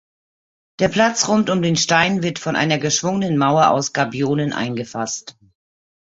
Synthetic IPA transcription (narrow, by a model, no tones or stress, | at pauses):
d̥eːɐpʰl̥at͡sʁʊntʊmdeːnʃtaɪnvɪɐtfɔnʔa̰ɪnɐɡəʃv̥ʊŋənənmaʊɐʔa̰ʊsɡ̥abioːnənʔa̰ɪnɡəfast